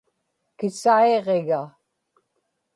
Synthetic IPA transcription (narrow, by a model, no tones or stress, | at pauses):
kɪsaeʁeɣa